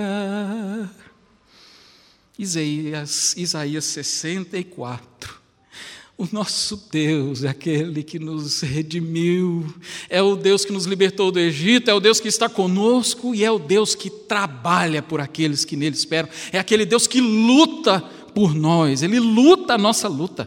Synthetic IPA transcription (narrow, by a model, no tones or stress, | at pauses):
izaiɐzizaiɐsesẽnt̪ɐikwa̰t̪ɾʊ | ʊnɔsʊd̪ewzɛakelɪkɪnʊzhed͡ʒimiwɛʊd̪ewskɪnʊzlibeɾt̪owd̪ʊeʒit̪ʊɛʊd̪ewskɪst̪akõnoskʊɪɛʊd̪ewskɪt̪ɾabaʎɐpʊɾakelɪskɪnelɪspɛɾɐ̃w̃ɛakelɪd̪ewskɪlut̪ɐ | pʊɾnɔselɪlut̪ɐːnɔsɐlut̪ɐ